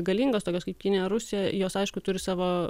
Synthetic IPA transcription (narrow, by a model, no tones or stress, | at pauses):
ɡɐlʲiːŋɡoːst̪oːkʲoskɐɪpkʲɪnʲejɛɾʊsʲɪjɛjoːsɐɪʃkʊt̪ʊɾʲɪsɑːʋoː